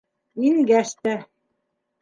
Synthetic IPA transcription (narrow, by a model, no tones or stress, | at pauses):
inɡæʃt̪æ